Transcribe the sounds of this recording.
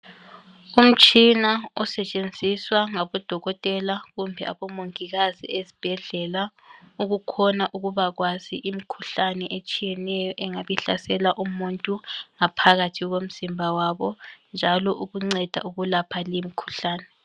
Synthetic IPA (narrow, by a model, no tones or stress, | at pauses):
um̩t͡ʃʼinaɔsɛt͡ʃʼend͡zʱiswaŋaβɔd̥ʱɔɣɔtʼɛlaɣumbʱɛa̰βɔmoŋiɣazḭezib̥ʱɛɮɛla | uɣukʰɔnaʔuɣuβaɣwaziʔimikʰuɬanɛʔet͡ʃʼijɛnɛjɔʔɛŋaβiɬasɛlaʔumuntʼuŋapʰaɣatʰiɣom̩z̥imbʱawaβɔnd͡ʒʱalɔʔuɣuŋ͡ǀɛd̥ʱa̰ʔuɣulapʰalimikʰu̥ɬaːnɛ